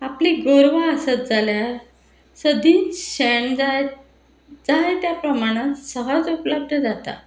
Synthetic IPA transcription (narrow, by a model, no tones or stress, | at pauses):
apliːɡoɾʋaəsət̪̚d͡zalja | səd̪ʱiːnɕɛɳd͡za | d͡zaet̪japɾəmaɽ̃ãt̪səɦat͡supləb̚d̪ʱəd͡zat̪a̰